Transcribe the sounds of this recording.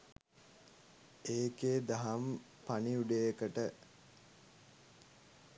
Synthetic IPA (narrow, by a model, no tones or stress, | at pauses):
eːkeːd̪aɦam | paniuɖejekəʈə